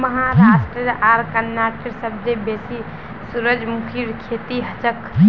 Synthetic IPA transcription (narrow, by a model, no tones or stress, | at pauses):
məɦaɾasʈɾəɾʔaɾkənːaʈɾsəb̚d̪ebesi | suɾəd͡ʒmukʰiɾkʰet̪iɦət͡ʃək